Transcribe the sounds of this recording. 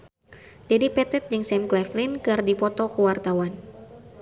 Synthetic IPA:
d̥ɛdipɛt̪ɛt̪̚d͡ʒɨŋsɛmklɛflinkɨrdipɔt̪ɔkuwart̪awan

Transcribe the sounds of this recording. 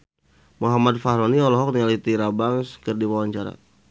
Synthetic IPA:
muɦamad̪faɦɾɔniɔlɔɦɔk̚niŋalit̪iɾabaŋskərdiwawaɲt͡ʃaɾa̰

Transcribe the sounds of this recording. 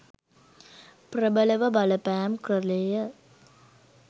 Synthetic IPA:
prəbələʋəbɐləpæːmkrəlejə

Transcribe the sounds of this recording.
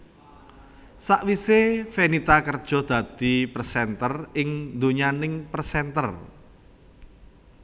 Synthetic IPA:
saʔwisefenit̪akərd̥ʒ̥ɔ̤hd̪̥ä̤d̪̥i̤pərsɛnt̪ərɪŋnd̪oɲanɪŋpərsɛnt̪ər

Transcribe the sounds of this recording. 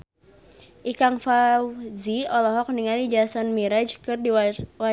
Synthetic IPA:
ʔikaŋfawziɔlɔɦɔk̚niŋalid͡ʒasanmiɾad͡ʒkɨrdiwa

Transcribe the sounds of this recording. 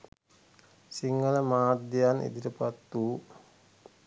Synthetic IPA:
siŋɡələmaːt̪̚d̪ijanʔḭd̪iɾəpat̪ːu

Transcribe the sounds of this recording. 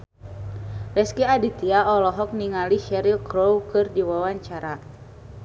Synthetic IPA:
lɛskiadit̪iaɔlɔɦɔk̚niŋaliʃɛɾilkɾowkɨrdiwawaɲt͡ʃaɾa

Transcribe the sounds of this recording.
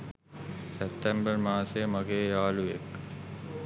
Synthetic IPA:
sep̚ʈ̪embəɾmaːsemɐɡeːjaːluek

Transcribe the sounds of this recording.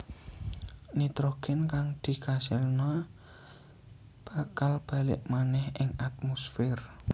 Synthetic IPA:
nit̪ɾokɛnkaŋd̪̥i̤kasɪlna | b̥a̤kalb̥a̤lɪ̰ʔmanɛhɪŋat̪̚mɔsfɛr

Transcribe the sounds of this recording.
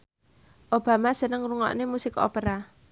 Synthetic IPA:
ʔob̥a̤masənəŋruŋɔ̰ʔnemusɪko̰peɾa

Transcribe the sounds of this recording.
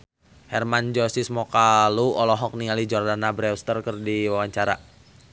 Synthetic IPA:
hɛrmand͡ʒɔsismɔkaluɔlɔɦɔk̚niŋalid͡ʒɔrdanabɾɛust̪ərkərdiwawaɲt͡ʃaɾa

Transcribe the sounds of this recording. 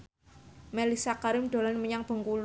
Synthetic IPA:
mɛlisakaɾɪmd̥o̤lanməɲaŋb̥ə̤ŋkul

